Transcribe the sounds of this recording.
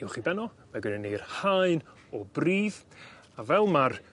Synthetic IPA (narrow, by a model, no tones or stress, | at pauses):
ɪwχibɛnɔ | maɡənɛnejrhajn | ɔbriːð | avɛlˠmar